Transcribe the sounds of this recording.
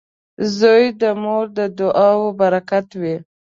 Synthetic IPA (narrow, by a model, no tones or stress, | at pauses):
zojd̪əmoɾd̪əd̪ʊʔɑwobaɾakat̪wi